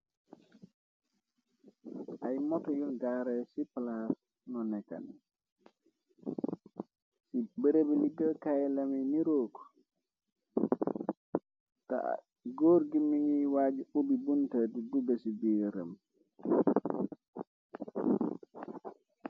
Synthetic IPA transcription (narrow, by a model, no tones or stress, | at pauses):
ʔajmɔtɔjulɡaːɾɛsiplas | nɔnɛka̰n | sibɛɾebɛliɡəkajlamɛniɾoːkɔ̥ | ta̰ | ɡoɾɡimiŋiwaːd͡ʒuubibuntaduduɡasibiːɾa̰m